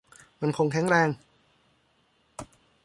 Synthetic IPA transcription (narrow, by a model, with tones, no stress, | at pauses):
ma˧nkʰo˧ŋkʰɛ˨˩˦ŋɾɛː˧ŋ